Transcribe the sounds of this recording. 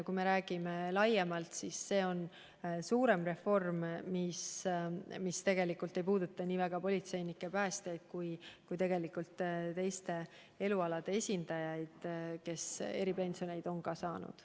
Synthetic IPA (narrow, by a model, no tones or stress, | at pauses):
kujme̞ɾæːɡ̥ime̞lɑjemɑlt̪sisːe̞ːo̞n | suːɾe̞mre̞fo̞rmmis | mist̪e̞ɡ̥e̞likːˑult̪ːˑe̞jpuːd̪̥ut̪ːˑɑnʲiːvæɡ̥ɑpo̞lit̪se̞jnikːˑe̞pæːst̪e̞jd̪̥̚kujkujt̪e̞ɡ̥e̞likult̪t̪e̞jst̪e̞ | e̞luɑlɑd̪̥e̞e̞sʲind̪̥ɑjɑjd̪̥ke̞se̞̰ɾipe̞nʲso̞ne̞jd̪o̞nkɑsɑːnṵd̪̥